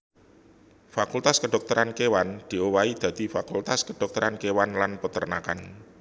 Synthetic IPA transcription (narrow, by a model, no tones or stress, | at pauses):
fakult̪askəɖ̪̥ɔ̤k̚t̪ɔɾʔankewand̪̥i̤owaid̪̥ä̤d̪̥ifakult̪askəɖ̥ɔk̚t̪ɔɾankewanlanpət̪ərnaka̰n